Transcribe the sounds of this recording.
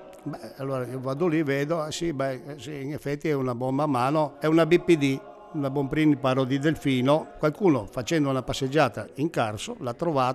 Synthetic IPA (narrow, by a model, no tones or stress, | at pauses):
bɛalːoːɾaiːovaːd̪oliveːd̪oɛsibɛsiinefːɛt̪ːiɛunabɔmːamːaːnoɛunabipːid̪i | unabɔmpɾinipaɾod̪id̪elfiːnokwalkuːnofat͡ʃɛnd̪ounapasːed͡ʒːaːt̪aiŋkarsolat̪ːɾovaː